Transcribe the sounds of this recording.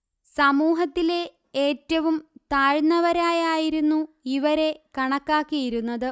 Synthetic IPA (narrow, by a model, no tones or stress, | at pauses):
sɐmuːɦɐt̪ːile̞ | eːtːɐʋumt̪aːɻnːɐʋɐɾaːjaːjiɾunːuiʋɐɾe̞kɐɳɐkːaːkːijiɾunːɐðɨ